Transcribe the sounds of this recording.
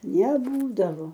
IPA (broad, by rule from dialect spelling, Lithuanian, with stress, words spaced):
nʲɛˈbuːdɐʋoː